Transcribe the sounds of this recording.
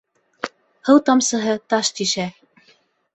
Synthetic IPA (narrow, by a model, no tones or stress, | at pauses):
hɤ̆wt̪ɑmsɤ̆ɦɤt̪ɑʃt̪iʃæ